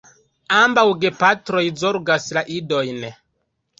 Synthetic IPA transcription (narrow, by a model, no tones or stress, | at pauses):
ambawɡe̞patɾo̞jzo̞ɾɡaslaʔido̞jn